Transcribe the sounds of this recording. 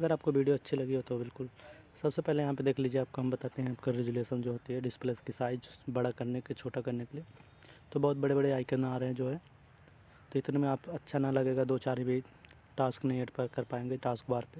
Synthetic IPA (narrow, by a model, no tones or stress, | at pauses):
ɐɡəɾaːp̚koʋiːɖijoɐtːʃʰilɐɡiɦot̪obɪlkʊlsɐbsepɛɦlejɐɦãped̪eːkʰliːd͡ʒieaːp̚koɦɐmbɐt̪aːt̪eɦɛ̃aːpkaɾed͡ʒʊleːʃənd͡ʒoːɦoːt̪iɦɛɖɪspleːskisaːɪd͡ʒd͡ʒbɐɽakɐɾneket͡ʃʰoːʈakɐɾnekelie | t̪obɔːt̪̚bɐɽebɐɽeaːɪkenaːɾeɦɛ̃d͡ʒoːɦɛː | t̪oɪt̪nemẽaːpɐtːʃʰanɐlɐɡeːɡad̪oːt͡ʃaːɾɦibʱi | ʈaːsknɐĩeːʈpekɐɾpaːẽːŋɡeʈaːskbaːɾpe